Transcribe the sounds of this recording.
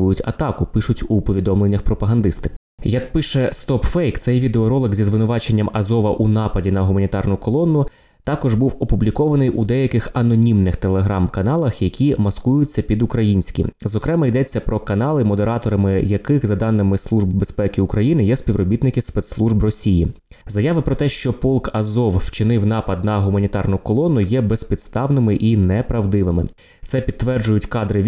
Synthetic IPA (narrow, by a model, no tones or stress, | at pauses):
ʊjʊtʲɐ̰t̪ɑkʊpɪʃʊtʲupɔʋʲid̪ɔmlˠe̞nʲːɐxpɾɔpɐɦɐnd̪ɪst̪ɪ̥ | jɐkpɪʃɛst̪ɔpfɛjkt̪sɛjʋʲid̪eɔɾɔlˠɪkzʲizʋɪnʊʋɑt͡ʃe̞nʲːɐmɐzɔʋɐʔunɑpɐdʲinɐɦʊmɐnʲit̪ɑrnʊkɔlˠɔnːʊ | t̪ɑkɔʒbuwɔpublʲikɔʋɐnɪjʔud̪ɛjɐkɪxɐnɔnʲimnɪxt̪e̞lˠeɦɾɑmkɐnɑlˠɐxjɐkʲʰimɐskujʊt͡sʲːɐpʲid̪ʊkɾɐjinʲsʲkʲḭzɔkɾɛmɐjd̪ɛt͡sʲːɐpɾɔkɐnɑlˠɪmɔd̪eɾɑt̪ɔɾɐmɪjɐkɪxzɐd̪ɑnːɪmɪslˠuʒbbespɛkʲɪʊkɾɐjinɪjɛspʲiʋɾɔbʲit̪nɪkɪspɛt̪slˠuʒbrɔsʲiji | zɐjɑʋɪpɾɔt̪ɛʃt͡ʃɔpɔlˠkɐzɔwwt͡ʃɪnɪwnɑpɐd̪̚nɐɦʊmɐnʲit̪ɑrnʊkɔlˠɔnʊjɛbespʲid̪st̪ɑwnɪmɪʔinɛpɾɐʋd̪ɪʋɪmɪ̰ | t̪sɛpʲid̪̚ʋɛrd͡ʒʊjʊtʲkɑd̪ɾɪʋʲ